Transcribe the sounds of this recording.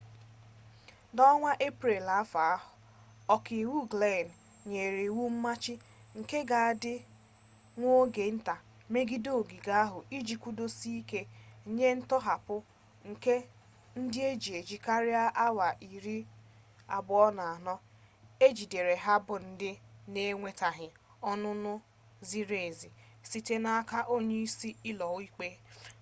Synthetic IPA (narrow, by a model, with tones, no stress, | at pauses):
dɔ˦ŋʷa˦ʔe˦pɾe˨la˨a˦fa˨a˦ɦʊ˨ | ɔ˨kɪ˨wu˦ɡle˦˨n˨ | ɲe˨ɾe˨wu˦m̩˦ma˦t͡ʃɪ˦ | ŋ̩˨ke˦ɡa˨a˦dɪ˦ | ŋʷo˦ɡe˨n̩˦ta˨ | me˦ɡi˦do˦˨ɡi˨ɡa˦a˦ɦʊ˨i˦d͡ʒi˨kʷu˦do˦si˦i˦ke˦˨ɲe˦n̩˦tɔ˦ɦa˨pʊ˦ | ŋ̩˨ke˦ | n̩˦dɪ˦e˦d͡ʒi˨e˨d͡ʒi˨ka˦ɾɪ˦a˦ʔa˦wa˨ʔi˨ɾi˦ | a̰˨bʊ˨˦ɔ˦na˨a˨nɔ˦ | e˦d͡ʒi˨de˨ɾe˨ɦa˦bʊ˨n̩˦dɪ˦ne˦ŋʷe˦ta˨ɦɪ˨ | ɔ˦nʊ˦nʊ˦ | zi˦ɾe˨zi˨ | si˨te˦na˦a˦ka˦ʔo˦ɲe˦i˦si˦ɪ˦lɔ˨˦i˦k͡pe˦